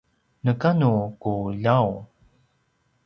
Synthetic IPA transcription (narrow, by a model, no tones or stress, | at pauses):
nəkanukuʎaw